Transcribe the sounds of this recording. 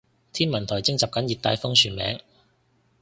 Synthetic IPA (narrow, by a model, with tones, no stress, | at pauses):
t̪ʰiː˥nmɐ˨˩nt̪ʰɔː˨˩jt͡sɪ˥ŋt͡sɐ˨p̚kɐ˨˥njiː˨t̚t̪aː˧jfʊ˥ŋsʰyː˨˩nmɛ̰ː˨˥ŋ